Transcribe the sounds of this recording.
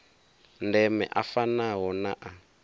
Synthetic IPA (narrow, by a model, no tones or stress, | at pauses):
ndɛmɛ̰ʔafanaɦɔnaʔa